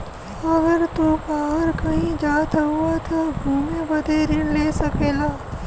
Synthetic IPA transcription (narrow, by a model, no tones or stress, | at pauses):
ɐɡəɾt̪ubaːɦəɾkɐɦĩd͡ʒaːt̪ʰɦuat̪ʰaɡʱuːmebɐd̪ʱeːɾileːsɐkeːlaː